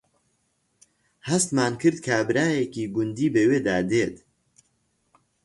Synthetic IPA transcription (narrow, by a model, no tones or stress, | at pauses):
hɐst̪maːnkɨɾd̪kʰabɨɾaːjekiːɡʊnd̪iːbeweːd̪aːd̪eːt̪